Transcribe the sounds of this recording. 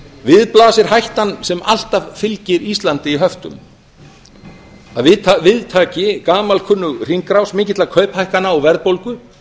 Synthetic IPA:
vɪðplaːsɪɾ̥ɦajht̪ansɛmal̥t̪avfɪlcɪɾist̪lant̪ɪiɦœft̪ʏ̰m | aðvɪðt̪avɪðt̪ʰaːcɪkaːmalkʰʏnːʏɣr̥iŋkɾawsmɪːcɪt̪lakʰœɥphajhkanːaɔɣvɛɾðpowlkʏ

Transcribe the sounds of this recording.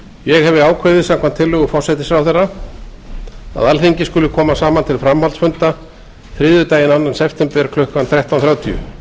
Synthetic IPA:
jɛɣhɛvðɪaːwkʰveðɪsamkʰamt̪ʰːɪlːʏɣʏfɔrsɛt̪ɪsɾawθɛrːa | a̰ðalθiɲcɪskʏlʏkʰɔːmasaːmant̪ʰɪlfɾamhalsfʏnt̪a | θɾɪːðʏt̪aːjɪnanːansɛft̪ɛmpɛɾkʰlœhkanθɾɛht̪anθɾjaːwt̪ʰḭʏ̰

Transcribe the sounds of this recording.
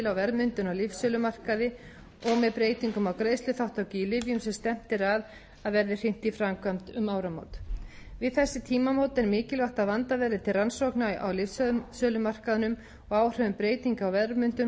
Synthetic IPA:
lawvɛɾmʏnt̪ʏnawlɪfsœːlʏmar̥kaðɪ | ɔɣmɛðpɾeːjt̪iŋkʏmawkɾeːjstlʏθawht̪awciːlɪvjʏmsɛmst̪ɛm̥t̪ɪɾað | aðvɛɾðɪr̥ɪn̥t̪ifɾamkʰvam̥t̪ʏmaːwɾamo̰wt̪ | vɪðθɛsːɪt̪ʰiːmamowt̪ɛɾmɪːcɪlvaht̪aðvant̪avɛɾðɪt̪ʰɪlransowknajʔa̰wlɪfsœðsœːlʏmar̥kaðʏnʏm | ɔɣaːwr̥œvʏmpɾeːjt̪iŋkawvɛðɾmʏnt̪ʏm

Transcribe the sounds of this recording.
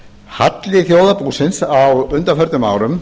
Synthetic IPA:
hat̪lɪθjoːwðapuːsɪnsawʏnt̪afœɾt̪ʏmaːwɾʏm

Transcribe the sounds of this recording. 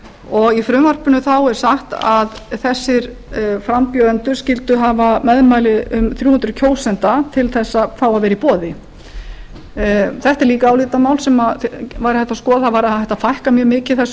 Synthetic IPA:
ɔɣifɾʏmvar̥pʏnʏθawɛɾ̥saxt̪aðθɛsːɪɾfɾampjœːðɛnt̪ʏ̥scɪlt̪ʏɦaːvamɛðmaːjlɪʏmθɾjuːhʏnɾʏcʰoːwsɛnt̪at̪ʰɪlθɛsːafawaðvɛːɾipɔːðɪ | θɛht̪ɛɾliːkaːwliːt̪amaːwlsɛmavajɾθɛht̪ːaskɔːðavaɾɛht̪afajhkamjœːmɪːcɪθɛs

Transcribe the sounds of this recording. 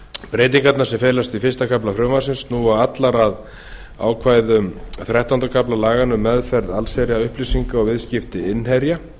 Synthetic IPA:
pɾeːjt̪̬iŋkat̪naɾsɛmfeːjlast̪ifɪ̥st̪akʰaplafɾʏmvasɪnsnuaat̪laɾað | a̰ːwkʰvaːjðʏmθɾaht̪ant̪akʰaplalaːɣanʏmːɛðfɛɾðalsɛɾjaʏhplisiŋkaɔɣvɪðscɪft̪ɪɪnhɛɾja

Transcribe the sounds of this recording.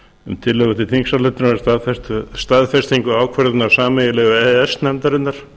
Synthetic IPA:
ʏmt̪ʰɪlːœɣat̪ʰɪlθiŋksalɛt̪ɪɾnast̪aðfɛst̪st̪aðfɛst̪iŋkʏaːwkʰvɛɾðɪtnaɾ̥saːmɛjɪlɛɣʏɛɛsnɛmt̪aɾɪnːaɾ̥

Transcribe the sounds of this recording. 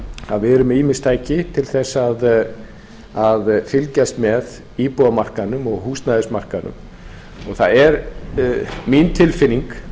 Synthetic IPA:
a̰ðvɪɛɾʏmiːmɪst̪ʰaːjcɪt̪ʰɪlθɛsːað | aðfɪlcajst̪mɛð | iːpɔðamar̥kanʏmɔɣɦust̪naðɪsmar̥kanʏ̰m | ɔɣθaðɛɾ | mint̪ʰɪlfɪnːiŋk

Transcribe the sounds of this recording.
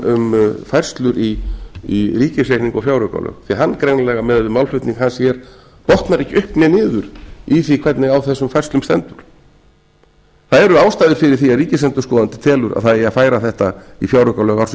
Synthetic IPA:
ʏmfajr̥st̪lʏɾiiriːcɪslejk̪niŋkɔfjawɾʏka̰lœ̰ːɣθiɦanːkɾejwnalɛɣamɛðvɪmawlfʏht̪niŋkhansjɛɾ̥ | pɔht̪naɾɛhcɪʔʏhpnɪnɪːðʏɾiθikʰvɛt̪nɪɣawθɛsːʏmfajrst̪ʏmst̪ɛ̰nt̪ʏɾ̥ | θaðɛɾʏaːwst̪ajðɪɾ̥fɪɾɪɾ̥θiaðriːcɪslɛnt̪ʏ̥ɾskɔːðant̪ɪ̥t̪ʰɛːlʏɾa̰ðθaðɛjafaːjɾaθɛht̪aifjawɾœkalœːɣawɾs

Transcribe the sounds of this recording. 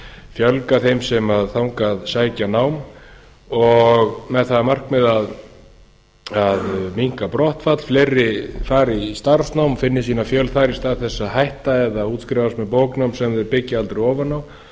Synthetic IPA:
fjœlkaθejmsɛmaðθawŋkaðsaːjcanaːwm | ɔɣmɛðθaðamar̥kmɛðað | aðmiŋ̥kapɾɔht̪fat̪l̥fleɾːɪfaːɾist̪aɾsnawmfɪnːɪsiːnafjœlθaːɾist̪aːðθɛsːaɦajht̪aɛðauːt̪skɾɛvast̪mɛðpoːwknawmsɛmðɛɾpɪcːɪalt̪ɾɪɔːvanːaw

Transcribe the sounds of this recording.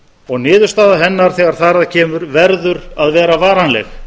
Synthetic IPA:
ɔɣnɪːðʏɾst̪aːðaɦɛnːaɾ̥θɛːɣaɾ̥θaːɾaðcʰɛːmʏɾvɛɾðʏɾaðvɛːɾavaːɾanlɛ̰x

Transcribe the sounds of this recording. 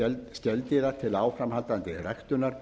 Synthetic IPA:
ɛlt̪sc̪ɛlt̪ɪɾat̪ʰɪlaːwfɾamhalt̪ant̪ɪrajxt̪ʏnaɾ̥

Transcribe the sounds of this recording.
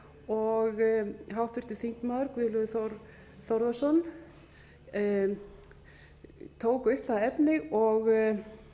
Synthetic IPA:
ɔɣɦawht̪vʏɾ̥t̪ɪv̥θiŋ̥k̪maːðɾkvɪðlœðʏθɾ | θɔwɾðasɔn | t̪ʰoːwkʏhpθaðaɛpnɪɔɣ

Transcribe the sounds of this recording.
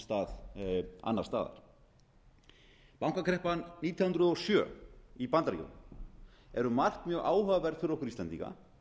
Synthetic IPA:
st̪aːða̰nːaɾst̪aːða̰ɾ̥ | pawŋkakʰɾɛhpanːiːt̪ʰjawhʏnt̪ɾʏðɔwsjœːipant̪aɾjo̰n | ɛɾʏmar̥kmjœːɣʔaːwɦœɣvɛɾfɪɾɔhkʏɾist̪aɛnt̪iŋka̰

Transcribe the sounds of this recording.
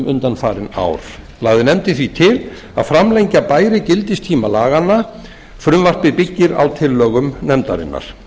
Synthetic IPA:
mʔʏnt̪anfaːɾɪna̰wɾ̥ | laːɣðɪnɛmt̪ɪθvit̪ʰɪl | a̰ðfɾamleɲcapaːjɾɪcɪlt̪ɪst̪ʰiːmalaːɣanːa | fɾʏmvar̥pɪpɪcːɪɾa̰wt̪ʰɪlːœːɣʏmnɛmt̪aɾɪ̰nːa̰ɾ̥

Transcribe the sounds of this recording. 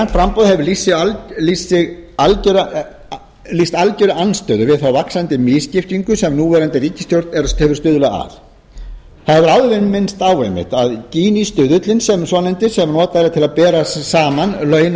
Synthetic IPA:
fɾampɔðhɛvʏɾlisɪallisːɪɣalcɛɾ | list̪alcɛɾaanːst̪œːðʏvɪðθawvaksant̪ɪmɪːscɪft̪iŋkʏsɛmnuːvɛːɾant̪ɪriːcɪ̥st̪jowɾt̪nɛɾahɛvʏ̥ɾst̪ʏːðʏlaa̰θ | θaðhɛvʏɾaðvɪnmɪnst̪aːwejmɪ̰ht̪aðciːnist̪ʏːðʏt̪lɪnsɛmsvɔnɛnt̪ɪsɛmnɔːt̪aɛɾat̪ʰɪlaðpɛːɾasaːmanlœːɥn

